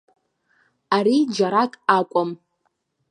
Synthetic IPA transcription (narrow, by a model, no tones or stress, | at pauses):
aɾid͡ʒaɾakʼakʷʼʊm